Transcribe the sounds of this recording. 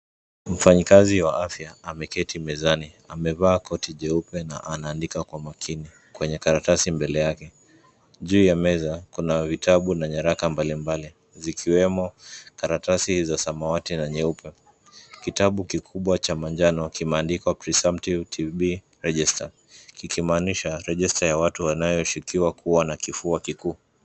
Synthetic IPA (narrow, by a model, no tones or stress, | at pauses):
m̩faɲikaziwaʔafjaːmɛkɛtimɛzani | amɛvaːkɔtiʄɛupɛna̰ʔanaːndikakwamakʰini | kwɛɲɛkaɾatasimbɛlɛjakɛ | ʄuːjamɛzakunavitʰaɓunaɲaɾakambalimbali | zikʰiwɛmɔkaɾatasizasamawatinaɲɛupɛ | kitaɓukikʰuɓwat͡ʃamaɲd͡ʒanɔkimɛːndikwapɾisamtivtʰiɓi | ɾɛʄɛsta | kikimaːniʃaɾɛʄɛstajawatuwanajɔʃikiwakʰuwanakifuakikuː